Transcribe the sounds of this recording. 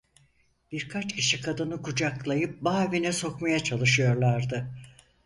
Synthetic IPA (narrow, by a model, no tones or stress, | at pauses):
b̥iɾkʰat͡ʃcʰiʃikʰad̪ɯnɯkud͡ʒaklˠajɯp̚baːvinɛso̞kmajat͡ʃʰalˠɯʃɯjo̞ɾlˠaɾd̪ɯ